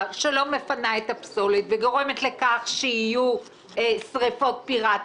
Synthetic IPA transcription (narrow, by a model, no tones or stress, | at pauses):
ʃelo̞me̞fanaetapsolit̪veɡo̞ʁe̞me̞t̪le̞kaχʃehiju | sʁifo̞t̚piʁa